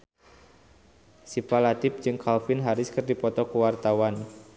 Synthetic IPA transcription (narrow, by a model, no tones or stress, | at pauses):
sipalat̪ɪp̚d͡ʒɨŋkʰalfɪnɦaɾʊskərdipɔt̪ɔkuwart̪awan